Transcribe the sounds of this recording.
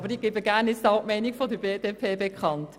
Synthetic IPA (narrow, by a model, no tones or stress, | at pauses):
bəɾdiɡ̥ebəɡæɾnɪstɑʊʔmɛɪnikfodəbeːdeːpʰeːbekʰχɑnt